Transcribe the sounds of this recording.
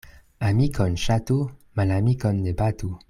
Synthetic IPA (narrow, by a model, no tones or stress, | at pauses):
amikɔnʃat̪umalamikond̪ebat̪u